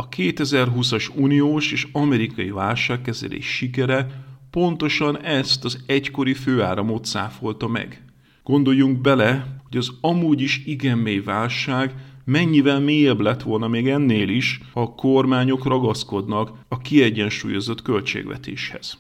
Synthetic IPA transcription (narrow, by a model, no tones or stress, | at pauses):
ɒkeːt̪ɛzɛrɦusɒʃuːnijoːʃeːʃɒmɛɾikɒjivaːlʃaːkːɛzɛ̰lʔḛːʃʃikɛɾɛpo̞nt̪o̞ʃɒnɛst̪ɒzɛcko̞ɾiføːaːɾɒmo̞t̪sa̰ːfo̞lt̪ɒmɛ̰ɡ | ɡ̥o̞nd̪o̞jːuŋɡ̚bɛlɛho̞ɟɒzɒmuːɟiʃiɡɛmːejivaːlʃaːɡmɛɲːivɛlmeːjɛblɛt̪ʋo̞lnɒmeːɡɛnːeːliʃɒko̞rmaːɲo̞krɒɡɒsko̞d̪nɒk | ɒkiɛɟːɛnʃṵːjo̞zo̞t̪kø̞lt͡ʃḛːɡʋɛ̰t̪ḛːʃhɛ̰z̥